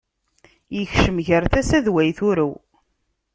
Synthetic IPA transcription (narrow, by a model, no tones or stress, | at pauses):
jəçʃəmʝəɾθæsæðwæjθʊɾæw